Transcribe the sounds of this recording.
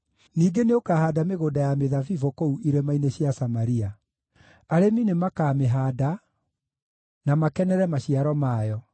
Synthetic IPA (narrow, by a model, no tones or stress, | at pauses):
niːɡeneokahaːdameɣoːdajameðavivokouʔiɾemaineɕjasamaɾia | aɾeminemakameɦaːda | namakɛnɛɾɛmaɕiaɾɔmaːjɔ